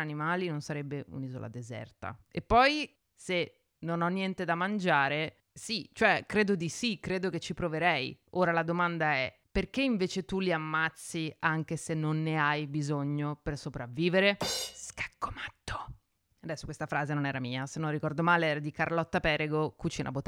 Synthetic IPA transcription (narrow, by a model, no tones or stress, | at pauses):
animaːlinonsaɾɛbːeʔṵnizo̰lʔa̰d̪ezɛ̰rt̪a̰epːɔj | se | nonɔnːjɛnt̪ed̪amand͡ʒaːɾe | sit͡ʃoɛkɾeːd̪od̪isikɾeːd̪oket͡ʃːipɾoveɾɛjoːɾalad̪omand̪aɛ | perkeiɱveːt͡ʃet̪uliamːat̪sːiaŋk̟esenːonːeajbizoɲːopersopɾavːiːveɾeskḁkːo̥mat̪ːo̥ | ad̪ɛsːokwest̪afɾaːzenonɛːɾamiːasenːõnrːikɔrd̪omaːleɛːɾad̪ikarlɔt̪ːapɛːɾeɡokut͡ʃiːnʔa̰bot̪ː